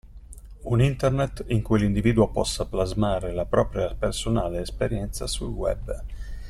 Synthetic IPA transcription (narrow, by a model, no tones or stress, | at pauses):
unint̪ernet̪ːiŋkujlind̪iviːd̪uopɔ̰sːaplazmaːɾelapɾɔːpɾjapersonaːleːspeɾjɛnt̪sa̰sṵlwɛ̰b